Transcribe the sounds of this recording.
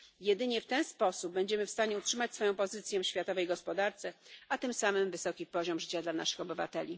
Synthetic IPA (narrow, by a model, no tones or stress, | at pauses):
jɛd̪ɘɲɛft̪ɛnspɔsub̚bɛɲd͡ʑɛmɘfst̪aɲɛutʂɘmat͡ɕʲsfɔjɔ̃w̃pɔzɘt̪sʲjɛfɕfʲjat̪ɔvɛjɡɔspɔd̪aɾt̪sɛat̪ɘmsamɘmvɘsɔkʲipɔʑɔmʐɘt͡ɕad̪lana̰ʂɘ̥xɔbɘva̰t̪ɛlʲi